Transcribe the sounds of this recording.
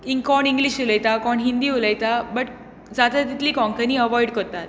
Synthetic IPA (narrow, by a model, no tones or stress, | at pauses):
ĩŋkkɔɳĩŋɡliɕuləjt̪akɔɳɦind̪iːuləjt̪abəʈ | d͡zad̪at̪it̪liːkɔ̃ŋkəniːəʋɔjɽkɔɾt̪at̪̚